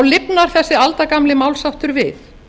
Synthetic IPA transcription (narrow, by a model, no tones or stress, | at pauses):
wlɪpnaɾ̥θɛsːɪalt̪akamlɪmaːwlsawht̪ʏɾvɪθ